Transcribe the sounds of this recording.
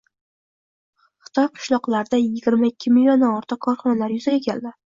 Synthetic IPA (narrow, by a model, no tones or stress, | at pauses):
χɨ̥t̪ʰɒjqʰɨ̥ʃlˠɒqlˠaɾd̪ajɪɡʲɪɾmaɪkʲʰːɪmɪlʲjond̪aɒɾt̪ʰɨq̚kʰɒɾχɒnalaɾjʊzaɡʲakʲʰeld̪ɪ